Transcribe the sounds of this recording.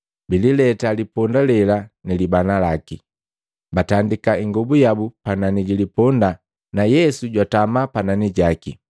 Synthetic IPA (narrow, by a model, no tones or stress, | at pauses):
bililɛtalipɔndalɛlanilibanalaki | batandikaiŋɡɔbujabupananiɟilipɔnda | najɛsuɟwatamapananiɟakḭ